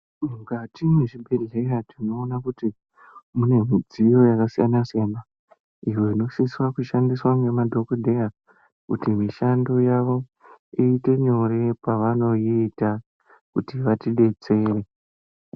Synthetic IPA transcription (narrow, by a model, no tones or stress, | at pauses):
uŋɡatimweʐibʱe̞ɮeratino̞ːnakuti | mune̞mid͡zijo̞jakasijanasijana | iwe̞ino̞ʃiswakuʃandiswaŋɡe̞madʱo̞kodʱe̞ja | kutimiʃandojaʋo̞ | iite̞ɲo̞ɾe̞paʋano̞iːta | kutiʋatiɗe̞t͡se̞ːre